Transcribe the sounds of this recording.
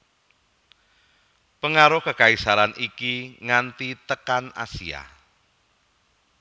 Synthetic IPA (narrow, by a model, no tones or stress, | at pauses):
pəŋaɾʊkəkaisaɾanʔikiŋant̪it̪əkana̰sḭa̰